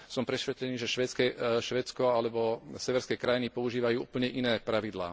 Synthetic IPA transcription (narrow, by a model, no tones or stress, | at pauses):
sɔmpɾɛʃʋɛt̪ɾɛniːʒɛʃʋɛt͡skɛʃʋɛːt͡skɔalɛbɔsɛʋɛɾskɛːkɾajinipɔuʒiːʋajuːuːpl̩ɲɛʔinɛːpɾaʋid̪la̰ː